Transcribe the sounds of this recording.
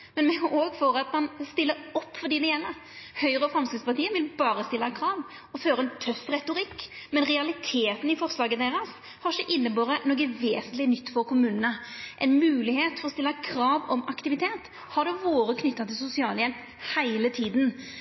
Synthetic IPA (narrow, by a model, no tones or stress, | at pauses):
mɛnmɛoːɡfɔɾɑt̪mɑnst̪ɪlːəɾɔpːfɔd̪iːd̪ɛɛnəɾ | hœʏɾəəfɾɑmskɾɪt̪spɑt̪iːənʋɪlbɑːɾəst̪ɪlːɑkʰɾɑːʋ | ɔføːɾəɛnt̪ʰœfɾɛt̪ʊɾɪkːmɛnɾɛɑlɪt̪ʰeːt̪n̩ɪfɔɾslɑːɡəd̪eːɾɑs | hɑʃəʔɪnːəboːɾənoːɡəʋeːsənt̪lɪnʏt̪ːfɔɾkʰʊmʉːnənəʔɛɪnmʉːlɪheːt̪fɔɾɔst̪ɪlːɑkʰɾɑːʋɔmɑkt̪ɪʋɪt̪ʰeːt̪ | hɑɖ̪ɛʋoːɾəkʰnʏt̪ːɑt̪ʰɪlsʊsɪɑːljɛlp | hæɪlət̪ʰiːd̪n̩